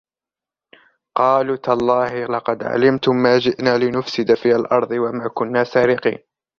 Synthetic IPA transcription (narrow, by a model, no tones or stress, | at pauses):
qɑːluːt̪alˤːɑːhɪlɑqɑd̪ʕa̰lɪmt̪ʊmːaːd͡ʒɪʔnaːlɪnʊfsɪd̪afiːʔalʔɑɾˤd̪ˤɨwamaːkʊnːaːsaːɾɪqḭːn